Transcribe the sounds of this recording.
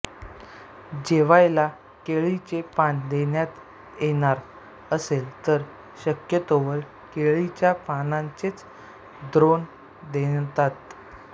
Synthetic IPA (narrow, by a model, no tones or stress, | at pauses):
d͡ʑeʋajla | keɭit͡ɕepand̪enjat̪ | jeɽ̃aɾ | əselt̪əɾ | ɕəkjət̪oʋəɭ | keɭit͡ɕjapanãɲt͡set͡s | d̪ɾon | d̪et̪at̪